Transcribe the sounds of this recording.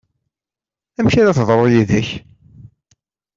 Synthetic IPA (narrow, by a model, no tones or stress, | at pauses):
æmʃæɾæθðˤɾˤojiðæç